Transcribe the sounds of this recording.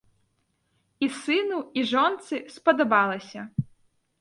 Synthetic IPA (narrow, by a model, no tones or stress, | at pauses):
isɪnʊiʒɔnt̪sɪspɔd̪ɔbɑlˠɪsʲɐ